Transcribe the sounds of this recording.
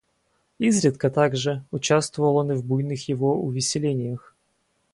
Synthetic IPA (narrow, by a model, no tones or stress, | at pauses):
izɾʲɪt̪kət̪aɡʐɨʊt͡ɕast̪vəvəlˠo̞nɨvbujnɨxjɪvoʊvʲɪsʲɪlʲenʲɪjəx